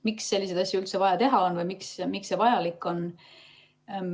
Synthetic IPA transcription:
miksːe̞lːis̬e̞d̪̥ɑsʲjuylt̪se̞vɑjɑt̪e̞ɦɑonvɤjmiksmiksːe̞vɑjɑlikːˑo̞n

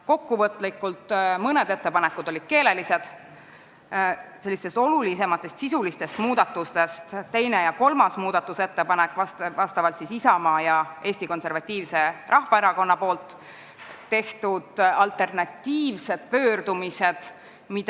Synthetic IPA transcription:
ko̞kːuvɤt̪ːˑlikːˑult̪mɤne̞d̪e̞t̪ːe̞pɑnekːud̪o̞lid̪̥̚ke̞ːle̞lise̞d̪̥ | se̞lːist̪e̞st̪o̞lulise̞mɑt̪ːˑe̞st̪sisulist̪e̞st̪muːd̪̥ɑt̪ːˑust̪e̞st̪t̪e̞jne̞jɑko̞lmɑsmuːd̪̥ɑt̪ːˑuse̞t̪ːe̞pɑnekːˑvɑst̪vɑst̪ɑvɑlt̪sisisɑmɑːjɑʔe̞ːsʲt̪iko̞nse̞ɾvɑt̪ʲːiːvse̞rʔɑhvɑe̞ɾɑko̞nːɑpo̞ːlt̪ː | e̞ht̪ud̪̥ɑlt̪ˑe̞rnɑt̪ːiːvse̞d̪̥̚pø̞ːrd̪̥umise̞d̪̥ | mid̪̥

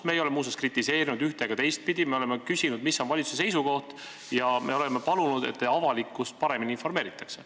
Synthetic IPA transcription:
me̞ːjo̞lemuːs̬eskrit̪ʲːˑise̞ːɾinud̪yht̪e̞ɡ̥ɑt̪e̞jst̪̚pid̪̥ime̞ole̞mːe̞kysinud̪misːo̞nvɑlʲit̪su̥sese̞jsuko̞ht̪ | jɑmʔe̞o̞le̞me̞pɑlunud̪̥e̞̰t̪ːeɑvɑlikːˑust̪̚pɑɾe̞mininfo̞rme̞ːɾit̪ːˑɑkse

